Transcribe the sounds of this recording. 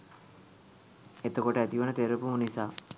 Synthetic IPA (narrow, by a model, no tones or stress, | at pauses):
et̪əkoʈəæt̪iʋənət̪eɾəpumunisaː